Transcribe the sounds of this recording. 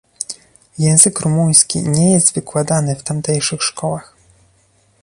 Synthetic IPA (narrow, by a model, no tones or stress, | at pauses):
jɛ̃w̃zɘkɾumuj̃skʲḭɲɛjɛst̪vɘkwad̪anɘft̪amt̪ɛjʂɘxʂkɔwax